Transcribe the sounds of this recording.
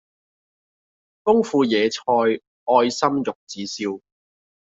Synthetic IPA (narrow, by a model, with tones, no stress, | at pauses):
fʊ˥ŋfuː˧jɛː˨˧t͡sʰɔː˧j | ɔː˧jsɐ˥mjʊ˨k̚t͡siː˨˥siː˥w